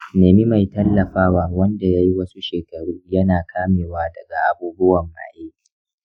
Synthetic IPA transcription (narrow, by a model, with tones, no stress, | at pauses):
neː˨mi˦ma˨jtɐ˦lːɐ˨ɸaː˦waː˦wɐ˦nda˨ja˦ji˦wɐ˦su˦ʃeː˨kɐ˨ɾuː˦jɐ˦naː˨kʰaː˦meː˨waː˦dɐ˨ɡa˨ʔa˨buː˦bʊ˦wɐ˨mːa̰ː˨ʔeː˦ki̥˨